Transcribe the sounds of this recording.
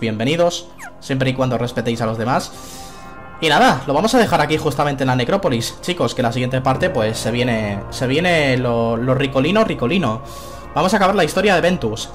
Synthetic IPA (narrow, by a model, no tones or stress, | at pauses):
je̞mbe̞niðo̞sː | je̞mpɾeikwand̪ore̞spe̞t̪ejsalo̞zðe̞mas | inaðalo̞βamo̞saðe̞xaɾakixust̪ament̪enlane̞kɾo̞po̞list͡ʃiko̞ske̞nlasiɣje̞nt̪e̞paɾt̪e̞pwe̞sːe̞β̞je̞ne̞se̞β̞je̞ne̞lolo̞rikolinoriko̞lino̞ | bamosakaβaɾlaist̪o̞ɾjaðe̞βe̞nt̪us